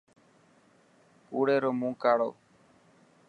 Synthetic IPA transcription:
kuːɽeːɾoːmũːkaːɽo̰ː

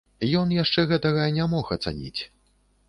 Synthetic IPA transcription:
jɔnjaʂt͡ʂɛɣɛt̪ɐɣɐnʲamɔxɐt̪sa̰nʲḭt͡sʲ

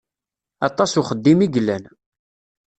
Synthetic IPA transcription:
ɑt̪ˤːɑsuχəd̪ːimiɡlːæn

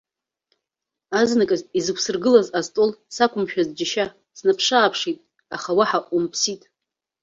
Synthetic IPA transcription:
aznakʼazizɨkʷʰsɨrɡɨlazaztʼolsakʷʰʊmʃᶣazd͡ʒɪʃa | snapʰʂaːpʰʂitʼ | aχawaħaʔumpʰsitʼ

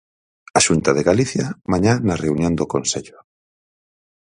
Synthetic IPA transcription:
ɐʃunt̪ɐðeɣaliθjɐmaɲanɐreunjõnd̪okonseʎʊ

